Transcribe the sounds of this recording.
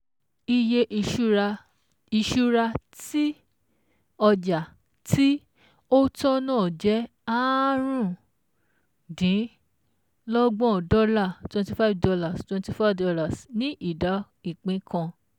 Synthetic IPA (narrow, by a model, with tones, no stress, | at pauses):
i˧je˧ʔ | i˧ʃu˦ɾa˧ | ti˦ | ɔ˧d͡ʒa˨ | ti˦ | o˦tɔ˦nãː˦˨d͡ʒɛ˨˦ | a˦ɾ̃ũ˦˨ | dĩ˨˦ | lɔ˦ɡ͡bɔ̃˦˨dɔ˦la˦˨twɛ̃˧ti˨fa˦˨vdɔ˧la˦˨stwɛ̃˧nti˧fa˦dɔ˧la˨snĩ˦ʔi˦˨da˨˦ | i˦˨k͡pĩ˨˦kʰã˧